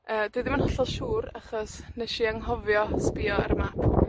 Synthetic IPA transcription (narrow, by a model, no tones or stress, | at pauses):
əːd̥iːdɪmənhɔɬɔlˠʃuːɾaχɔsnɛʃiaŋɦɔvjɔspiɔa̰ɾmapʰ